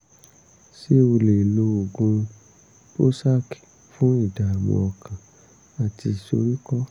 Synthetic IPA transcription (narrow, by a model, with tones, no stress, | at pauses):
se˦o˧le˨lo˧o˨ɡũ˧ | po˦sa˦ki̥˨ | fũ˨˦i˦˨da˨a˨wɔ̰̃˨ɔ˨kʰã˨ | a˨ti˧˨so˧ɾi˦kɔ˦